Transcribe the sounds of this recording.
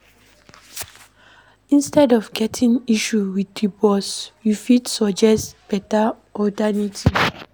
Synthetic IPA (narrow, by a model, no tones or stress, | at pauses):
ĩnstɛdɔvɡɛtʰĩŋiʃuwiθdibɔsjufidsɔd͡ʒɛstb̥ɛta | ɔdanitʰi